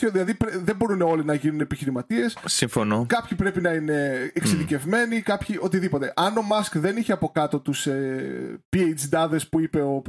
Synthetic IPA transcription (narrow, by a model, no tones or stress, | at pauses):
oðilɐðipɾeðembo̞ɾuneo̞linɐʝinunepiçiɾimɐt̪ie̞ssiɱfo̞nokɐpçipɾe̞pinɐine̞ːkseðice̞vme̞nikɐpçiʔo̞t̪̬iðipo̞t̪e̞ʔɐno̞mɐskðe̞niçeɐpo̞kɐt̪o̞t̪usepiejd͡ʒd̪ɐðe̞spuipe̞o̞p